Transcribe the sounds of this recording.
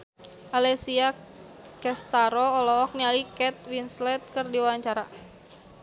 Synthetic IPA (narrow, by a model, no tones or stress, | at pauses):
ʔalɛsia | kɛst̪aɾɔɔlɔk̚nialikɛt̪̚winslɛt̪̚kərdiwawaɲt͡ʃaɾa